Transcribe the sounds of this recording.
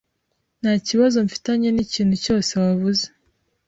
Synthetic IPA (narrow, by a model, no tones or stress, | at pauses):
n̥aciβazo̞ɱfi̥taɲe̞niciːn̥huco̞ːse̞waβuze